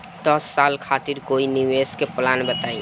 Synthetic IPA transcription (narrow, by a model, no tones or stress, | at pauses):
d̪əsːalkʰaːt̪iɾkoiniweskeplanbət̪aĩ